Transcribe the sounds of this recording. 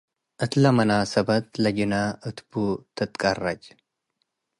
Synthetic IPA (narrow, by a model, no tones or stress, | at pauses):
ʔɨt̪lɐmɐnaːsɐbɐt̪lɐd͡ʒɪnaʔɨt̪but̪ʰɨt̪ʼkʼɐrːɐt͡ʃ